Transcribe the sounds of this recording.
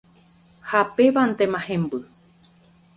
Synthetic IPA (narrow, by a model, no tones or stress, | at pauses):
hapeʋant̪emãhẽmbɨ